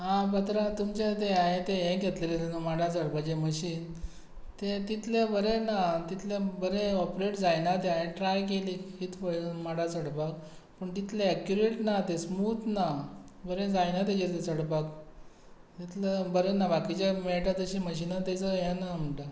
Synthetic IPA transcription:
ɦãpət̪ɾãt̪umt͡ɕẽt̪eaɦet̪eɦɛ̃ɡʱet̪lelet̪enumaɽat͡səɽpad͡ʑeməɕiːn | t̪et̪it̪ʰlebəɾenat̪it̪ʰlebəɾeɔpɾeʈd͡zajnat̪eaɦeʈɾajkelikʰiːt̪ʰpəɭmaɽat͡səɽpak̚ | pəɳt̪it̪leɛkjuɾeʈnat̪esmuːt̪nabəɾẽd͡zajnat̪̬ed͡ʑeɾt̪et͡səɽpak | t̪it̪lebəɾenabakit͡ɕameʈat̪əɕiməɕinat̪et͡səɦɛ̃nam̤əɳʈa

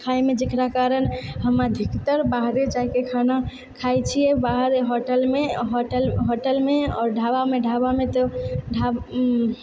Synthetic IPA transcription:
kʰajmed͡ʒekɾakaɾənɦəmad̪ʱikt̪əɾbaɦɾed͡ʒaikekʰana | kʰajt͡ʃʰijɛbaɦɾɦoʈəlmeɦɔʈəlɦoʈəlmeɔːɾɖʱabameɖʱabamet̪ɔɖʱa

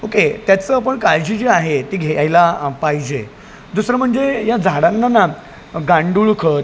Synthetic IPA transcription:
oket̪jat͡səapəɳkaɭd͡ʑiːd͡ʑeaɦet̪iːɡʱeajlapaɦid͡ʑe | d̪usɾəm̤əɳd͡zejad͡zʱaɽanːana | ɡãɳɖuɭkʰət̪

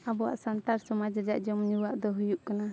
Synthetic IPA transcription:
abɔwa̰ʔsant̪aɾsɔmad͡ʒɾɛd͡ʒaʔd͡ʒɔmɲuwaʔd̪ɔɦujuʔkana

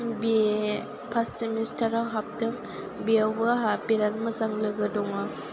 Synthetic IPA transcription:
bi | pʰasimistʰaɾawɦap̚dɯŋ | biawbɯɦapiɾanmazaŋlɯɡɯdɔŋɯ

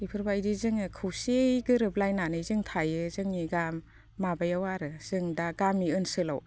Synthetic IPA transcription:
ipʰɯɾbajdizɯŋɯkʰɯwsejɡɯɾɯplajnanɯjzɯŋtʰajɯzɯŋniɡamː | abajawaɾɯz̥ɯŋdaɡamiɯnsɯla̰w

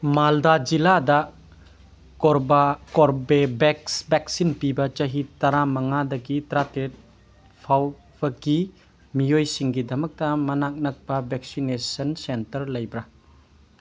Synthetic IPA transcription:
maldad͡ʒiladɐ | koɾbakoɾbebeksbek̚sinpibɐt͡ʃɐɦitɐɾamɐŋadɐɡitɾatet̚ | pʰaw | b̥ɐɡi | mijojsiŋɡidɐmɐk̚tɐmɐnak̚nɐk̚pɐbɛk̚sinesɐnsentɐɾlɐjbɾɐ

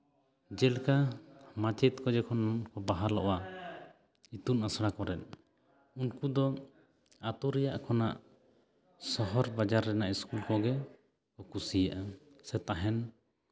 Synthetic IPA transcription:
d͡ʒɛlkamat͡ʃɛt̪̚kɔd͡ʒɛkʰɔnankɔbaɦaɾlɔ̰ʔwa | it̪unasɽakɔɾɛt̪̚ˀ | unkud̪ɔ | at̪uɾɛjaʔkʰɔna̰ʔ | sɔɦɔɾbad͡ʒaɾːɛnaʔiskulkɔɡɛ | kɔkusijaʔa | sɛt̪aɦɛn

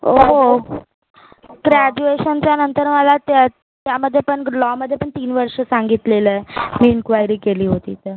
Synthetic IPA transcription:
oɦo | ɡɾæd͡ʑueɕənt͡ɕjanənt̪əɾməlat̪ | t̪jaməd̪ʱːjepəɳlɔməd̪ʱjepəɳt̪iːnʋəɾʂəsaŋɡit̪leləmiːinkʋajɾiːkeliːɦot̪ḭːt̪əɾ

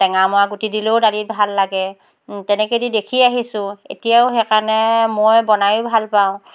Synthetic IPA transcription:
tɛŋamʊaɡutidilowdalit̚bʱalːaɡɛ | tɛnɛkedidekʰiaɦisʊ̃ḛtijawxɛkanɛmɔjbɔnajʊbʱalpaʊ̃

